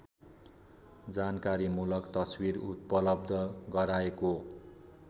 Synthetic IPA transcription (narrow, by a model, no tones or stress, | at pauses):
d͡zankaɾimulʌkt̪ʌswiɾut̪̚pʌlʌb̚d̪ʱʌɡʌɾaeko